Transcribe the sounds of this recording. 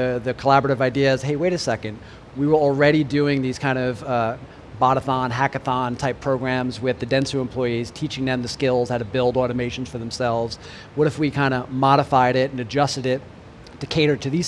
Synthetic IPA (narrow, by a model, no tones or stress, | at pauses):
ɨðɨkʰəlæbə˞əɾɨvaɪdiɨz̥heɪweɪɾɨsɛkɨ̃nd̚ | wiwə˞l̩ˠɹɛɾidʉɪ̃ŋðiz̥kʰãɪ̃ndʌv | bɑɾəθɑ̃nɦækɨθɑ̃ntʰaɪpʰɹ̥oʊɡɹæ̃mzwɪðɨdɛ̃nsəə̃mpʰl̥ɔɪiz̥tʰit͡ʃɪ̃ŋðɨ̃mðɨskɪlˠz̥aʊɾɨbɪlˠdɔɹɾɨmeɪʃn̩z̥fə˞ðə̃m̩sɛlˠvz̥ | wʌɾɨfwikʰãɪ̃ndəmɑɾəfaɪɾɪɾɨ̃n̩ɨd͡ʒʌstɨɾɪt̚ | d̥ɨkʰeɪɾə˞ɾɨðiz̥